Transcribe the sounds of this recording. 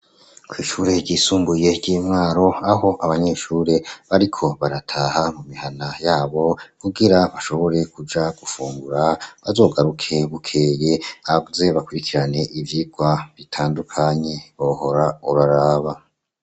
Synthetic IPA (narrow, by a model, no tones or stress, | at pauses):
kwiːʃuːɾe̞ɟiːsuːmbuje̞ɟiːmŋaːɾo̞aɦo̞ʔaβaɲe̞ːʃuɾe̞βaɾikʰo̞βaɾatʰaːhamumihanajaːβo̞kuɡiɾaβaʃo̞βo̞ɾe̞kud͡ʒaɡ̥ufuːŋɡuɾaβazo̞ːɡaɾukʰe̞βukʰeːje̞aze̞βakuɾikiɾane̞ʔivjiɡwaβitʰaːndukʰaɲe̞βoho̞ɾauɾaɾaːβa